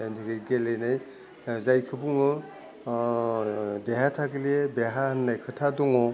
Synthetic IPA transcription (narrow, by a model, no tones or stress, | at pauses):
antʰiɡejɡelejnaj | zajkʰɯbuŋɯ | deɦatʰaɡiliebeɦahɯnːajkʰɯtʰaduŋɔ